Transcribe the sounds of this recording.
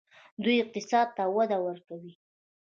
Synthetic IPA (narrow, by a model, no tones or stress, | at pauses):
d̪ujɪq̚t̪ɪsɑd̪̚t̪awad̪awaɾt̪owi